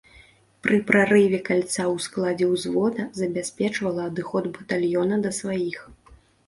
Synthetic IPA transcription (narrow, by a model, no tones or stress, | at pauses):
pɾɨpɾaɾɨvʲɛkalʲt̪sawsklˠad͡zʲɛwzvɔd̪ɐzɐbʲasʲpʲɛt͡ʂvɐlˠɐːd̪ɨxɔd̪bɐt̪alʲjɔnɐd̪ɐsvajix